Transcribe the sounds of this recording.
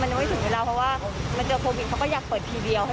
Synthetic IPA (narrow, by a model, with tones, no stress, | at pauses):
ma˧nt͡ɕa˧˦ma˥˩t̪ʰɯ˩˦ŋweː˧˥ɾaː˧˩pʰɔ˧˥waː˥˩ma˧nt͡ɕɤː˧kʰoː˧wi˨˩kʰwkɔː˥˩jaː˨˩k̚pəɤː˨˩t̪ʰiː˧di˧əwha˥˩